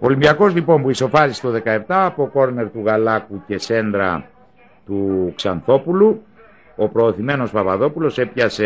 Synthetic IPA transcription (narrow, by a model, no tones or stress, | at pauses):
olimbiɐko̞zlipo̞mpuiso̞fɐzist̪o̞ðe̞kɐe̞pt̪ɐːpoko̞ɾne̞ɾt̪uɣɐlɐkuce̞se̞nd̪ɾɐ̰ | t̪uksɐnθo̞pulu | o̞pɾo̞ːθime̞no̞spɐvɐðo̞pulo̞se̞pçɐse